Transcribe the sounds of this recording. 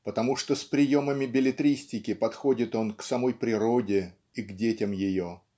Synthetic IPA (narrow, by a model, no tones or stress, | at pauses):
pət̪ɐmuʂt̪ospɾʲɪjo̞məmʲɪbʲɪlʲɪt̪ɾʲisʲtʲɪkʲɪpɐt̪xo̞dʲɪt̪o̞nksɐmo̞jpɾʲɪɾo̞dʲɪ | iɡdʲetʲɪmjɪjo̞